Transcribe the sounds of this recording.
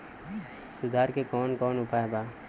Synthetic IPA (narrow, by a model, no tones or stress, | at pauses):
sʊd̪ʱaːɾkekɔːnkɔːnʊpaːebaː